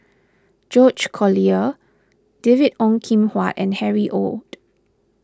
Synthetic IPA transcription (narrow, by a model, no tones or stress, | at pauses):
d͡ʒɔd͡ʒkʰɔliə | d̥evidɔ̃ŋkʰĩmhwatɛ̃nhɛɹiʔo̰ld̥